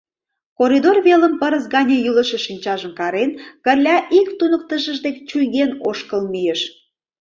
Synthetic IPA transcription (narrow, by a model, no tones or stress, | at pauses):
koɾid̪orβeləmpəɾəsɡɑnʲəjyləʃə̆ʃinʲt͡ɕɑʒəmkɑɾenkərlʲɑʔikt̪unək̚t̪əʃəʒd̪ekt͡ɕujɣenoʃkəlmyjeʃ